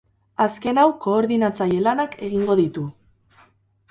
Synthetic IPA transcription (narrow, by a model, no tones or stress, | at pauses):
aske̞nawko̞ːɾðinat͡saje̞lanakʰe̞ɣ̞iŋɡo̞ðit̪u